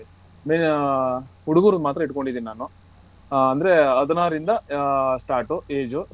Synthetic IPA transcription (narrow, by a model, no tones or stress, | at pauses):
meːn | huɽuɡuːɾud̪maːt̪ɾɐiʈko̞ɳɖid̪iːninaːnu | ɐnd̪ɐɾeɐd̪ɐnaːɾind̪ɐsʈaːɾʈueːd͡ʒu